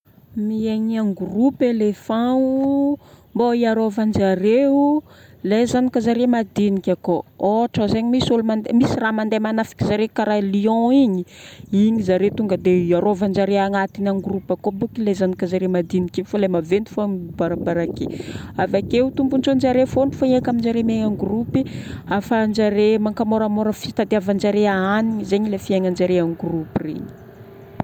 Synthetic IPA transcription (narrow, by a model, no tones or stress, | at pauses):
mieɲiaŋɡurupelefãu | mboiaɾovand͡ʒaɾeulezanikazaɾemad̪inikʲakooʈ͡ʂəzeɲimisolumand̪emisiramand̪emanafi̥kʲizaɾekaɾaliɔ̃iɲiiɲizaɾet̪uŋɡəd̪eaɾovand͡ʒaɾeaŋat̪inanɡrupakobukilezanikazaɾemad̪inikefalamavend̪u̥fambaɾabaɾakḛavakewt̪umbunt͡sond͡ʒaɾefoɳɖ͡ʐu̥faiakamind͡ʒaɾemeŋaŋɡrupiafand͡ʒaɾemaŋkamoɾamoɾəfit̪ad̪iavand͡ʒaɾeaaniɲizeɲilefiaŋand͡ʒaɾeanɡrupirḛɲi̥